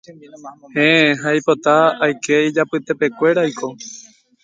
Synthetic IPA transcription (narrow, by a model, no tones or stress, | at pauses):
hẽeɦaipo̞t̪aːjkʰe̞id͡ʒapɨt̪e̞pe̞kʷe̞ɾajkʰo̞